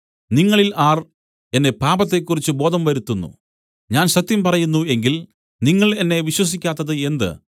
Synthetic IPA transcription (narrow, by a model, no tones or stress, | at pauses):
niŋːɐɭilaːr | e̞nːe̞paːbɐt̪ːe̞kːurit͡ɕːɨbo̞ːd̪ʱɐmʋɐɾut̪ːunːṵ | ɲaːnɕɐt̪ːjɐmpɐrɐjunːue̞ŋɡil | niŋːɐɭe̞nːe̞ʋiɕwɐs̬ikʲːaːt̪ːɐðɨe̞nd̪ɨ̰